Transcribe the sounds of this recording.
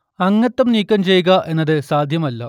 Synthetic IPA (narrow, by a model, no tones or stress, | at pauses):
ɐŋːɐt̪ːɐmniːkʲːɐmt͡ɕe̞jːuɣɐʔe̞nːɐðɨsaːd̪ʱjɐmɐlːɐ̰